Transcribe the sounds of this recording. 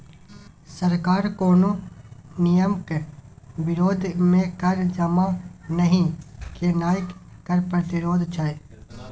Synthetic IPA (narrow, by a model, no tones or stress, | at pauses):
səɾkaːɾkoːnõːnɪjəmk | ʋɪɾoːd̪ʱmẽkəɾd͡ʒɐmanəɦĩkenaːjəkːəɾpɾət̪ɪɾoːd̪ʱt͡ʃʰae